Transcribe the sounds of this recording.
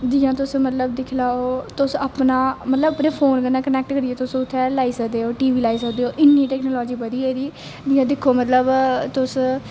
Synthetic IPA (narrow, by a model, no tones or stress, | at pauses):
d͡ʒɪjãːt̪ʊsmət̪ləbd̪ɪkʰlaːoːt̪ʊsəpnaːmət̪ləbəpneːpʰoːnkənãːkənɛːk̚ʈkəɾɪeːt̪ʊsʊt̪ʰːɛːlaːiːsəkʰd̪eːoːʈiːʋiːlaːiːsəkd̪eːoːʔɪnːiːʈɛːknoːlɔːd͡ʒiːbəd̪iːeːɾiː | d͡ʒɪjãːd̪ɪkʰːoːmət̪ləbt̪ʊs